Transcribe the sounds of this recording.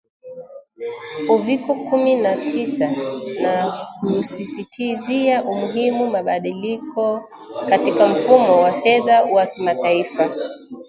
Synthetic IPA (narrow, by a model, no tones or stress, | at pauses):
uvikɔkuminatʰisanakusisitʰiziaʔumuɦimumaɓaɗilikɔ | katikam̩fumɔwafɛðawakimataifa